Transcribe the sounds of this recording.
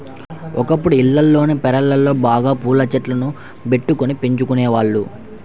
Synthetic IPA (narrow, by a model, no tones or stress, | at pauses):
ɔkɐpːuɽuilːɐlːo̞ːneːpɛɾɐlːɐlːo̞ːbaːɡaːpuːlɐt͡ʃɐʈlɐnu | be̞ʈːukonipeɲt͡ʃukunɛːʋaːɭːu